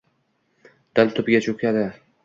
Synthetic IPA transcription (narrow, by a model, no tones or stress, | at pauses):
d̪̥ɪlt̪ʰʊbɡʲat͡ʃʰokʲʰad̪ɪ